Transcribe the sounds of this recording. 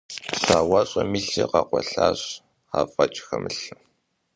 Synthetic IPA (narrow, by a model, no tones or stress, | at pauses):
ɕaːwaɕʼɐmiɬiqɑqʷɔɬaːɕ | aːfʼɐt͡ʃʼxɐmɨɬɨm